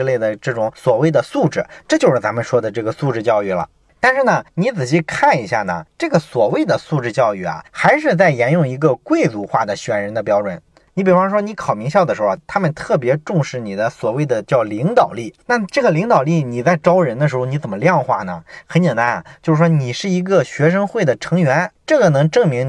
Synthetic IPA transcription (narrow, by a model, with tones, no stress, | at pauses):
le˥˩ɪd̪ə˩ʈ͡ʂɤ˥˩ʈ͡ʂʊ˧˥ŋswɔ˨˩we˥˩ɪd̪ə˩su˥˧ʈ͡ʂɻ̩˥˩ʈ͡ʂɤ˥˧t͡ɕjo˥˧ʊʂɻ̩˥˩t͡sa˧˥mə˧nʂwɔ˥d̪ə˨ʈ͡ʂɤ˥˩ɡə˩su˥˧ʈ͡ʂɻ̩˥˧t͡ɕjɑ˥˧ʊy˥˩lə̰˩ | t̪a˥˧nʂɻ̩˥˩nə˩ni˧˥t͡sɹ̩˨˩ɕi˥˧kʰa˥˩ni˧˥ɕja̰˥˩nə̰˩ʈ͡ʂɤ˥˩ɡə˩swɔ˨˩we˥˩ɪd̪ə˩su˥˧ʈ͡ʂɻ̩˥˧t͡ɕjɑ˥˧ʊy˥˩ɐ̰˩xa˧˥ɪʂ̬ɻ̩˥˧t͡sa˥˩ɪjɛ˧˥njʊ˥˩ŋi˧˥ɡə˧kwe˥˧ɪt͡su˧˥xwa˥˩d̪ə˩ɕɥɛ˨˩nɻə˧˥nd̪ə˧p̬jɑ˥ʊʈ͡ʂwə˨˩˦n | ni˧˥p̬i˨˩fɑ˥˧ŋʂwɔ˥ni˧˥kʰɑ˨˩ʊmi˧˥ŋɕjd̪ə˩ʂɻ̩˧˥xo˥˧˩t̪ʰa˥mə˨nt̪ʰɤ˥˩p̬jɛ˧˥ʈ͡ʂʊ˥˧ŋʂɻ̩˥˩ni˨˩d̪ə˦swɔ˨˩we˥˩ɪd̪ə˩t͡ɕjɑ˥˩ʊli˧˥ŋt̪ɑ˨˩ʊli˥˩na˥˧ʈ͡ʂɤ˥˩ɡə˩li˧˥ŋt̪ɑ˨˩ʊli˥˩ni˨˩t͡sa˥˩ɪʈ͡ʂɑ˥ʊɻə˧˥nd̪ə˧ʂɻ̩˧˥xo˧ni˧˥t͡sə˨˩nmə˦ljɑ˥˧ŋxwa̰˥˩nə̰˩xə˧˥nt͡ɕjɛ˨˩nt̪a˧˥na̰˩t͡ɕjo˥˧ʊʂɻ̩˥˩ʂwɔ˥ni˨˩ʂɻ̩˥˩i˧˥ɡə˧ɕɥɛ˧˥ʂ̬ɤ˥ŋxwe˥˩ɪd̪ə˩ʈ͡ʂʰɤ˧˥ŋɥɛ˧˥nʈ͡ʂɤ˥˩ɡə˩nɤ˧˥ŋʈ͡ʂɤ˥˩ŋmi˧˥ŋ